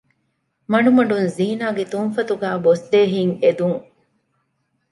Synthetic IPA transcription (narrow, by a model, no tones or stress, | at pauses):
mɐɳumɐɖunziːnaːɡet̪uŋfɐt̪uɡæːbosd̪eːɦiŋed̪uŋ